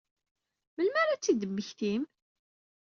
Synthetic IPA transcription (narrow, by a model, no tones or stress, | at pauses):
məlmæɾat͡sːid̪əmːəçθim